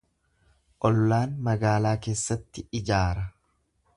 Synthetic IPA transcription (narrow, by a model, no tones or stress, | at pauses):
ʔɔlːaːnmɐɡaːlaːke̞ːsːɐt̪ːɪɪd͡ʒaːɾɐ